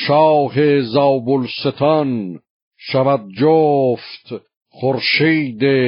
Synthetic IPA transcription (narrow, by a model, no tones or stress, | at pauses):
ʃɑːhezɑːbolset̪ʰɑn | ʃævæd̪̚d͡ʒoft̪ | χoɾʃiːd̪e